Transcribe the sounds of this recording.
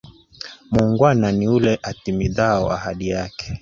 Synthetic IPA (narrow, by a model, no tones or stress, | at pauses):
muŋɡwananiulɛʔatimiðaɔahaɗijakɛ̥